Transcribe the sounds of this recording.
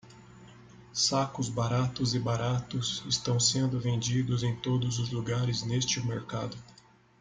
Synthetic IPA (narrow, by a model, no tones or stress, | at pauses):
sakʊzbaɾat̪ʊzɪbaɾat̪ʊsɪst̪ɐ̃w̃sẽnd̪ʊvẽnd͡ʒid̪ʊzẽj̃t̪od̪ʊzʊzluɡaɾɪznest͡ʃɪmeɾkad̪ʊ